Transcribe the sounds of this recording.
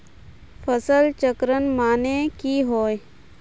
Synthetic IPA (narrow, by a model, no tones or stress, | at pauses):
fəsəlt͡ʃəkɾənmaːnekiɦoːj